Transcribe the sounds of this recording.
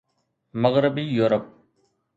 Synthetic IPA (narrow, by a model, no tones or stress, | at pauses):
məɣɾɪbiːjuːɾəp̚